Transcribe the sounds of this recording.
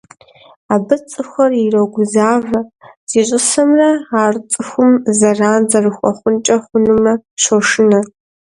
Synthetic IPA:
aːbɨt͡sʼɨxʷɐrirɐɡʷʊzaːvɐz̥iːɕʼɪsɐmrɐaːrt͡sʼɨxʷʊmzɐraːnzɐrɨxʷʼɔ̰χʷʊnt͡ʃʼɐχʷʊnɨmɐɕoʂɨnɐ

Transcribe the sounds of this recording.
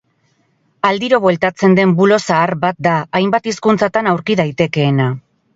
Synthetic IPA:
ald̪iɾo̞βwe̞lt̪at͡se̞nd̪e̞mbulo̞saːɾbat̪̚d̪aajmbat̪iskunt͡sat̪anawɾkiðajt̪e̞ke̞ːna

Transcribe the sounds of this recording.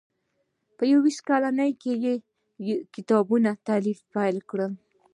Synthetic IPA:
pəjawiʃkɑlanəjkeje | kɪt̪ɑbunat̪alifpajlkɽəl

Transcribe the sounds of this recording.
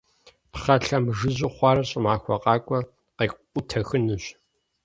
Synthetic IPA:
pχɐɬɐmʒɨʑɪχʷɑːɾɐɕʼɪmʕaːxʷɔqʼɑːkʷʼɔ | qeːq | ʊtʰɐxɨnɨɕ

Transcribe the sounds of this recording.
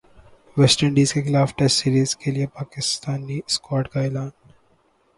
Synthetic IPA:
ʋɛsʈəɳɖiːzkeklaːfʈɛssiːɾiːzkelijepaːkɪst̪aːnːiskɔːʈkaɪlaːn

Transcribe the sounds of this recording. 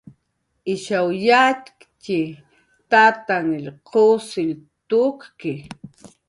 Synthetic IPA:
ʔɪʃawjaːt̪kci | t̪at̪aŋilqʰosilt̪uːkki

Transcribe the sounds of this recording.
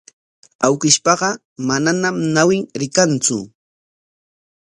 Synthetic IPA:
awkɪʃpɑɢɑ | mananamnawɪŋɾɪkant͡sʊ̰

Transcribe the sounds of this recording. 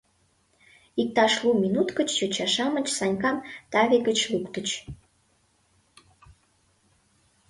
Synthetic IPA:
ik̚t̪ɑʃluminut̪kət͡ɕt͡ɕot͡ɕɑʃɑmə̆t͡ɕsɑnʲkɑmt̪ɑβekət͡ɕlukt̪ət͡ɕ

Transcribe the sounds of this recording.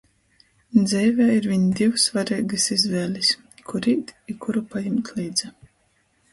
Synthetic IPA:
d̪zʲɛjvʲæːiɾvʲiɲid̪ʲiwsvaɾɛːɡɨsizvɛːlʲis | kʰuɾiːt̪ikʰuɾupajɛmt̪ʲliːd̪zɛ

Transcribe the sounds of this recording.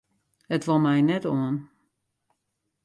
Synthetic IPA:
ətʋɔlˠmɛjnɛtoən

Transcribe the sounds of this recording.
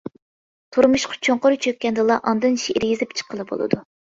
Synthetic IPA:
t̪ʰuɾmuʃqʰɑ̥t͡ʃʰoɴqʊɾɨt͡ʃʰøkʲːɛnd̪ɨlˠɑʔɑnd̪ɨnʃiʔiɾɡʲizɪpt͡ʃʰə̥qʰːəlˠɨbo̰lˠɨ̰d̪u

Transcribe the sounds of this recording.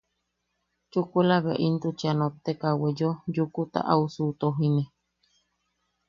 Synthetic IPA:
t͡ʃukuelaβeʔint̪ut͡ʃanot̪ekawejojukut̪a̰ʔausut̪oɦine

